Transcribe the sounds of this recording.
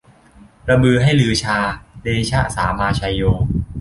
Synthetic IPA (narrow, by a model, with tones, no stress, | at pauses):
ɾa˧mɯː˧ɦa˥˩jlɯː˧˩t͡ɕʰaː˧deː˧t͡ɕʰa˦˥˩saː˩˦maː˧t͡ɕʰa˧joː˧